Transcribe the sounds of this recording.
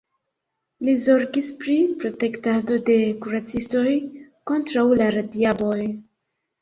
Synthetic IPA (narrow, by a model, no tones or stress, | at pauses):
lizo̞ɾkispɾipɾo̞te̞ktado̞de̞kuɾat͡sisto̞jko̞ntɾawlaɾadiabo̞j